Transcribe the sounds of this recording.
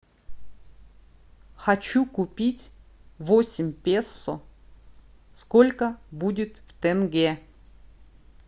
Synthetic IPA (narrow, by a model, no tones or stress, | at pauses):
xɐt͡ɕukʊpʲitʲvosʲɪmʲpʲesːʊ | skolʲkəbudʲɪt̪ft̪ɛnɡʲe